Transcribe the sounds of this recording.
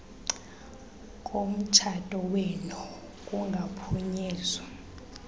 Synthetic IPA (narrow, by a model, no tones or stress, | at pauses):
kʼom̩t͡ʃʰatʼɔwenu | kʼuŋɡʱapʰuɲɛːzwa